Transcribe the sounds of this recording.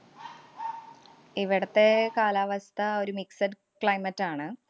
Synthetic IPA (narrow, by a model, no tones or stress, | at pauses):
iʋiɽɐt̪ːe̞kaːlaːʋɐst̪ʰɐo̞ɾumiksɐd | kɭɐjmɐtːaːɳɨ